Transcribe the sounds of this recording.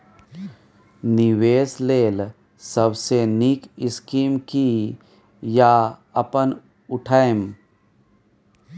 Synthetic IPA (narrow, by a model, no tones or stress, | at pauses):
nɪʋeːsleːl | səbsenikɪskiːmki | jaɐpən | ʊʈʰaem